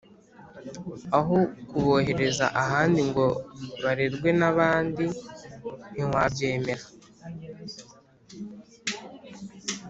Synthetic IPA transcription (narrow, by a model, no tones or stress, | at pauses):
aɦokuβo̞ɦe̞ɾe̞za̰ʔaɦaːndiŋɡo̞βaɾeɾɡwe̞naβaːndi | niŋwabɟeːme̞ɾa